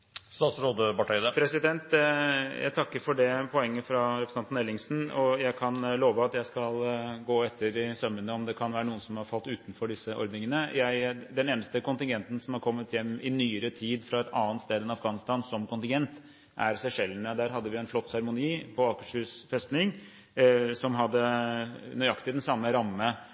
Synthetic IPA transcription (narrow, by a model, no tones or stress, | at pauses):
st̪ɑːt̪sɾoːd̪əbɑʈæɪd̪əpʰɾɛsɪd̪ɛnt̪jæ̰ɪt̪ʰɑkːəɾfɔɖɛpʰɔɛŋːəfɾɑɾɛpʰɾsnɑnnɛlɪŋsn̩ɔjæɪkʰɑnloːʋəɑt̪jæɪskɑlɡoːɛt̪ʰːəɾɪsœmːənəɔmd̪ɛkʰɑnʋæːɾənuːənsɔmhɑɾfɑlt̪ʉːt̪nfɔɖɪsːəʔɔ̰ɾd̪nɪŋənəjæɪd̪ɛneːnəst̪əkʊnt̪ɪŋɡɛnt̪n̩sɔmhɑɾkʰɔmːət̪jɛmːɪnyːəɾət̪ʰiːd̪fɾɑɛt̪ʰɑːənt̪st̪eːd̪ɛnɑfɡɑːnɪst̪ɑːnsɔmkʊnt̪ɪŋɡɛnt̪ | ʔæɾsæʂɛlːənəd̪æːɾɦɑd̪ːəʋɪɛnflɔt̪ːsæɾmʊniːpʰɔɑːkəʂʉsfɛst̪nɪŋ | sɔmɦɑd̪ːə | nœʏɑkt̪ɪd̪ɛnsɑmːəɾɑmːə